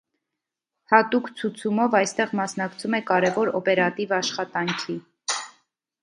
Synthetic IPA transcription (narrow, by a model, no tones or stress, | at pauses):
hɑt̪ukt͡sʰut͡sʰumɔvɑjst̪ɛʁmɑsnɑkt͡sʰumɛkɑɾɛvɔɾɔpɛɾɑt̪ivɑʃχɑt̪ɑŋkʰi